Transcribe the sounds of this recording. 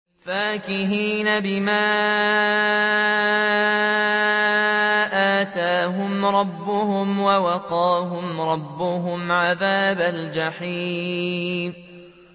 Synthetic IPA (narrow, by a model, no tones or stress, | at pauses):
faːkɪɦiːnabɪmaː | ʔaːt̪aːɦʊmɾˤɑbːʊhʊmwawɑqɑːɦʊmɾˤɑbːʊɦʊmʕaðaːbald͡ʒaħiː | m